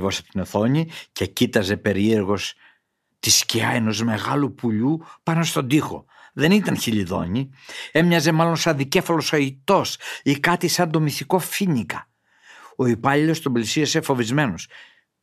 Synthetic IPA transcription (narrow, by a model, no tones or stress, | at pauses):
vo̞sɐ̥po̥t̪ino̞θo̞ɲice̞cit̪ɐze̞pe̞ɾie̞ɾɣo̞s | t̪isciɐe̞no̞zme̞ɣɐlupuʎupɐno̞st̪o̞nd̪ixo̞̰ | ðe̞nit̪ɐnçiʎiðo̞̰ɲie̞mɲɐze̞mɐlo̞nsɐnðice̞fɐlo̞sɐit̪o̞sikɐt̪isɐnd̪o̞miθiko̞finikɐ̥ | o̞ipɐʎilo̞st̪omblisiɐse̞fo̞vizme̞nos